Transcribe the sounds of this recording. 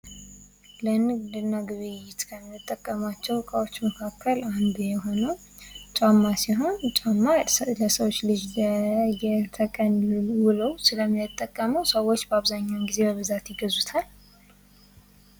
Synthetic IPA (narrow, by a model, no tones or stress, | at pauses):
lənɨɡd̪ɨnːaɡɨβɨjɪt̪kʰəmɨt̪ʼːəkʼːəmat͡ʃːɛwkʼawo̞t͡ʃːməkʰakʰːəland̪ujɛɦo̞nəw | t͡ʃʼamːasiɦo̞nt͡ʃʼamːaləsəwot͡ʃːlɨd͡ʒ | jɛt̪ʰəkʼənɨwɨləwsɨləmjɛt̪ʼːəkʼːəməwsəwo̞t͡ʃːbəaβzaɲːawɡize̞bəβɨzat̪jɪɡəzut̪ʰal